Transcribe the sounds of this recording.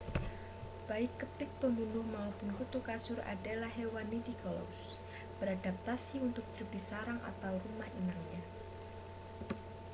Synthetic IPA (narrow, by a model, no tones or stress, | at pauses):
b̥aɪkːəp̪ɪk̚b̥əmbunʊhmaupʊnɦut̪ukasʊɾa̰dalahewanit̪ikɔlo̰ʊs | b̥əɾadap̚t̪asiunt̪ʊk̚d͡ʒubisaɾaŋʔa̰t̪awrumahimarɲa